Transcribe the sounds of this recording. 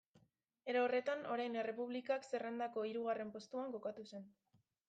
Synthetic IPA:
e̞ɾoore̞t̪ano̞ɾajne̞re̞puβ̞likakse̞rend̪ako̞iɾuɣ̞are̞mpo̞st̪uaŋko̞kat̪use̞n

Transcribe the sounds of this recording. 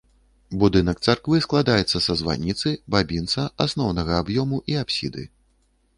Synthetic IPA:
bud̪ɨnɐk̚t̪sarkvɨsklˠad̪ajɛt̪sːɐsɐzva̰nʲit̪sɨbabʲint̪sɐasnɔwnɐɣɐabjɔmuʔiapsʲḭd̪ɨ̰

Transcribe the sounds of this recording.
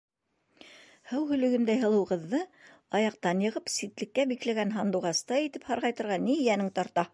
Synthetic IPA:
hɤwɦɵ̆lɵ̆ɡɘnd̪æjɦɤ̆lˠɤ̆wʁɤ̆ðːɤ | ɑjɑqt̪ɑnjɤ̆ʁɤpsit̪lɘ̆kːæbiklæɡænɦɑnd̪uʁɑst̪ɑjit̪ɘphɑɾʁɑjt̪ɤ̆ɾʁɑnijænɘŋt̪ɑɾt̪ɑ

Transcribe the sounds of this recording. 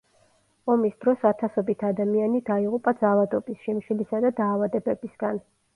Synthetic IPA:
ɔmisd̪̥ɾɔsat̪ʰasɔbit̪ʰad̪amianid̪aiʁupʼad̪zaːvad̪ɔbisʃimʃilisad̪ad̪aːvad̪ɛbɛbisɡ̥an

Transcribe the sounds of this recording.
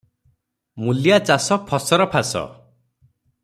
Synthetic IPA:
mulijat͡ʃasɔpʰɔsɔɾɔpʰasɔ̰

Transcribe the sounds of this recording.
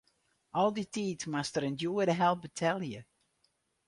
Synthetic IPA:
ʔɔlˠditiːtmastəɾɛndjuədəɦɛlˠbətʰɛlˠjə

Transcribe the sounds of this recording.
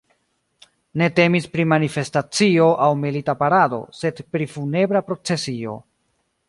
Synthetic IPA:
ne̞te̞mispɾimanife̞stat͡sio̞ʔawmilitapaɾado̞̰se̞dpɾifune̞bɾapɾo̞t͡se̞sio̞̰

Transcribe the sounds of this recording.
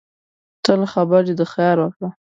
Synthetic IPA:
t̪əlxabaɾid̪əxjɑɾwakɽa

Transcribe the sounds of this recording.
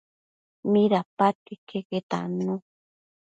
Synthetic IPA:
miɾapat̪ikeket̪a̰nũ

